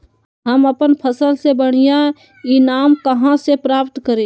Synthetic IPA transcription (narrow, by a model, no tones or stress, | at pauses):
ɦəməpənpʰəsəlsebəɽ̤̃ijã | inaːmkəɦãsepɾaːpt̪kəɾe